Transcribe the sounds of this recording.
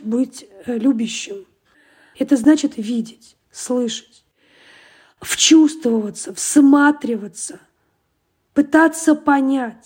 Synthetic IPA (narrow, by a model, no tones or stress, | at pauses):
bɨtʲlʲubʲɪɕːɪm | ɛt̪əznat͡ɕɪt̪vʲidʲɪtʲ | slˠɨʂə̥tʲ | ft͡ɕust̪vəvət̪səfsmat̪ɾʲɪvət̪sə | pɨt̪at̪səpɐnʲatʲ